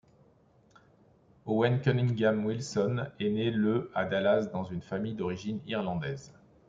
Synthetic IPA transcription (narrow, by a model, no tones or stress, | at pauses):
owɛnkʲɔniŋɡʲamwilsɔnɛneləad̪alasd̪ɑ̃zynfamijd̪ɔʁiʒiniʁlɑ̃d̪ɛz